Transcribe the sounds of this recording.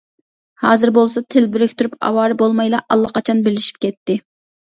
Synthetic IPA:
hɑːzɨɾbolˠsɑt̪ʰɪlbɪɾɪkʲt̪ʰuɾypɑ̰wɑːɾbolˠmɑjlˠɑʔɑlˠːɑqɑt͡ʃʰɑnbɪlɪʃi̥p̚kʲɛt̪ːɪ

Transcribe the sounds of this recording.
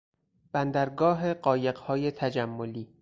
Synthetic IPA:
b̥ænd̪æɾɡɒːɦe̞ɢɒːje̞ɢhɒːje̞t̪ʰæd͡ʒæmːoliː

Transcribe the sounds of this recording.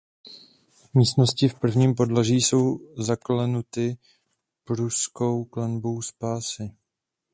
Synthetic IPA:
miːst̪no̞scɪfpr̩vɲiːmpo̞dlaʒiːso̞wzaklɛnut̪ɪ | pɾusko̞wklɛnbo̞wspaːsɪ

